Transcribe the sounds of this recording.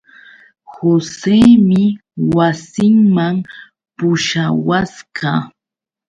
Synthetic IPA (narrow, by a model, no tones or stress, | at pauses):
hoseːmɪwasɪŋmam | pʊʃawaskɑː